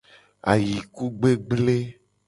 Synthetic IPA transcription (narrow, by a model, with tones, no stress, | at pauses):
a̰˨ji˨ku˦ɡ͡be˦ɡ͡ble˦